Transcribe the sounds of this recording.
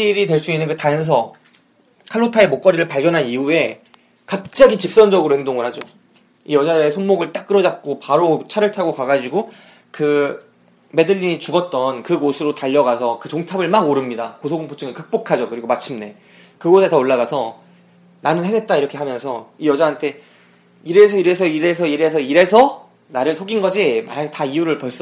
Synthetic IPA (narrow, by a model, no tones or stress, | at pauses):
iɾitwe̞ɭs͈uinːɯnkɯtaʌns̬ʰʌ | kʰaɭːotʰae̞mok͈ʌɾiɾɯɭpaɭɡjʌnɦaniue̞ | kap̚t͡ɕ͈aɡit͡ɕik̚s͈ʌnd͡ʑʌɡɯɾoheŋdoŋɯɭhad͡ʑo | ijʌd͡ʑadɯɾe̞sʰonmoɡɯɭt͈ak͈̚ɯɾʌd͡ʑap̚k͈opaɾot͡ɕʰaɾɯɭtʰaɡokaɡad͡ʑiɡo | kɯ | me̞dɯʎːiɲit͡ɕuɡʌt̚t͈ʌnkɯɡosʰɯɾotaʎːʌɡasʰʌkɯt͡ɕoŋtʰabɯɭmaɡoɾɯmɲidakosʰoɡɯŋpʰot͡ɕ͈ʰɯŋekɯk̚p͈okʰad͡ʑokɯɾiɡomat͡ɕʰimne̞ | kɯɡosʰetaoɭːaɣasʰʌ | nanɯnhɦenet̚t͈aiɾʌkʰe̞ɦamjʌnsʰʌijʌd͡ʑaɦantʰe̞ | iɾe̞sʰʌiɾe̞s̬ʰʌiɾe̞s̬ʰʌiɾe̞s̬ʰʌiɾe̞sʰʌ | naɾɯɭsʰoɡinɡʌd͡ʑima̰ɲataiuɾɯɭpʌɭs͈ʌ